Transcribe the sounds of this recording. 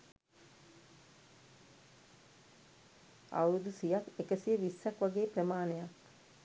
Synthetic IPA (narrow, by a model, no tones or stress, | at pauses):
a̰wɾud̪usijakekəsijəʋisːækʋaɡeːprəmaːnejak